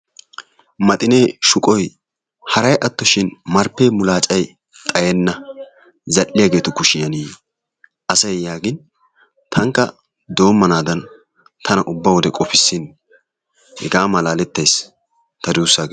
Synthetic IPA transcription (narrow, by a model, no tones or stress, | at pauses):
mɐt̪ʼɪne̞ːʃʊkʼɔj | hɐɾɐjʔɐt̪ːɔʃɪnmɐɾpːeːmʊlaːt͡ʃʼɐj | t̪ʼɐjɛnːɐ | zɐlːɪjaːɡe̞ːt̪ʊkʊʃɪjɐniː | ʔɐsɐjjaːɡɪn | t̪ʰɐŋkːɐ | d̪o̞ːmːɐnaːd̪ɐn | t̪ʰɐnɐʔʊbːɐwɔd̪ɛkʼɔfɪsːɪn | hɛ̰ɡaːmɐlaːlɛt̪ːɐjs | t̪ɐd̪uːsːaːɡ